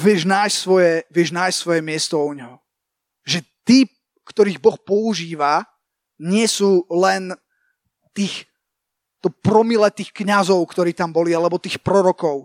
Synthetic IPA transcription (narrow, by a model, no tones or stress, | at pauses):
ʋɪɛʒnaːjssʋɔjɛʋɪɛʒnaːjssʋɔjɛmɪɛst̪ɔuɲɦɔ | ʒɛt̪iːp | kt̪ɔɾiːɣbɔxpɔuʒiːʋa | ɲɪɛsuːlɛn | t̪iːx | t̪ɔpɾɔmilɛt̪iːxkɲazɔʊkt̪ɔɾiːt̪ambɔlialɛbɔt̪iːxpɾɔɾɔkɔʊ